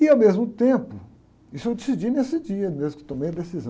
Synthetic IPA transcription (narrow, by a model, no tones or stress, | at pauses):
ɪawmezmʊt̪ẽpʊ | isʊewd͡ʒesid͡ʒinesɪd͡ʒiɐmezmʊkɪ̥t̪õmejɐd̪esizɐ̃